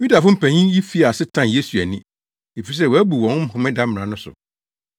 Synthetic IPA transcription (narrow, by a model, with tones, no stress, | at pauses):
ju˦da˨fʊ̃˦m̩˦pʰæ̃˨ɲĩ˦ji˦fi˦a˨sɪ˦tʰã˦n˨je˦su˨æ˨nɪ̃˦ | e˨fi˨i˨s̬ɛ˦˨wɔ˨æ˦bu˨wɔ̃˨˦nʊ̃˦m̩˦hʊ̃˨mɪ̃˦da˦m˨ã˨nʊ̃˦sʊ̰˨